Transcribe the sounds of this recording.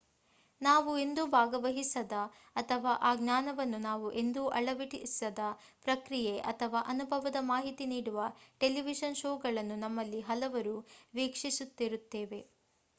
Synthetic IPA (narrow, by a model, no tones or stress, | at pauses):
naːʋue̞nd̪ubʱaːɡɐʋɐɦisɐd̪ɐː | t̪ʰɐʋaːʔaːɡnaːnɐʋɐnːunaːʋuʔe̞nd̪uʔɐɭɐʋiʈisɐd̪ɐ | pɾɐkɾijeʔɐt̪ʰɐʋaːʔɐnubʱɐʋɐd̪ɐmaːɦit̪iniːɽuʋɐʈe̞liʋiʃɐnʃoːɡɐɭɐnːunɐmːɐlːiɦɐlɐʋɐɾuʋiːkʂisut̪ːiɾut̪ːeːʋe̞